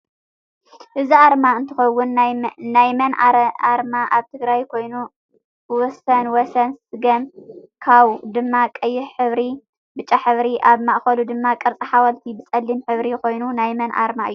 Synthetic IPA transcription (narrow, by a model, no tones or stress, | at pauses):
ʔɨziaɾmaɨnt̪ʰɨxɐwːʊnnajmɐnaɾmaʔaβt̪ʰɨɡɾajkʰo̞jnu | wɔsɐnwɔsɐnsɨɡɐmkʰaβd̪ɨmːakʼɐjːɪħħɨβɾi | bɨt͡ʃʼːaħɨβɾiʔaβmaʔxɐlud̪ɨmːakʼɐɾt͡sʼɐħawɐlt̪ʰibɨt͡sʼɐlːimħɨβɾikʰo̞jnunajmɐnʔa̰ɾmaɨjːu